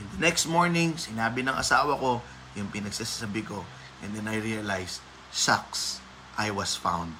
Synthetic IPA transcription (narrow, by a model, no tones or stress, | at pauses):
ʔɪnd̪ɐnɛkst̪̚moɹnɪ̃ŋsɪnaːbɪnɐŋʔɐ̰saːwɐko̞ | jʊŋpɪnɐɡsisḁsabiko̞ | ʔɛ̃nd̪ɛnɐjɹiɐlajs | sa̰ks | ʔajwɐsfã̰wnd̪̚